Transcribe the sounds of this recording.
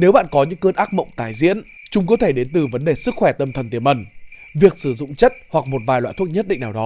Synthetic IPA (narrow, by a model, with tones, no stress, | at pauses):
ne˨˦wɓa̰ː˧˨nkɔ˨˦ɲɨ̰˧˥ŋkəː˧nʔaː˦˥k̚mə̰˧˨wŋ͡mt̪aː˨˩jzḭ˧˥ən | t͡ɕʊ˨˦ŋ͡mkɔ˨˦t̪ʰe˧˩ɗe˨˦nt̪ɨ˨˩və˨˦nɗe˨˩sɨ˦˥k̚xwɛ˧˩t̪ə˧˩mt̪ʰə˨˩nt̪i˧˩əmʔə˨˩n | vi˨˩ək̚sɨ˧˩zʊ̰˧˨ŋ͡mt͡ɕə˦˥t̚hwa˨˩k̚mo˨˩t̚vaː˨˩jlwa̰ː˧˨t̪ʰu˦˥ət̚ɲə˦˥t̚ɗḭ˧ŋ̟naː˨˩wɗɔ˨˦